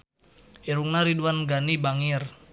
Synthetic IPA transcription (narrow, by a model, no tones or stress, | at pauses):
ʔiɾuŋnaɾiduanɡanibaŋir